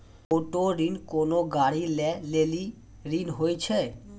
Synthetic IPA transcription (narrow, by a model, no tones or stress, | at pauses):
oʈoɾinkonoɡaɽilɛleli | ɾinɦojt͡ɕʰe